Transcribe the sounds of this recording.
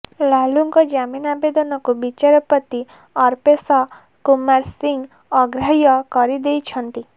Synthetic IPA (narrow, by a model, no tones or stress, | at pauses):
laluŋkɔd͡ʒaminabed̪ɔnɔkubit͡ʃaɾɔpɔt̪i | ɔɾpesɔ | kumaɾsiŋɡ | ɔɡɾaɦjɔkɔɾid̪ejt͡ʃʰɔnt̪i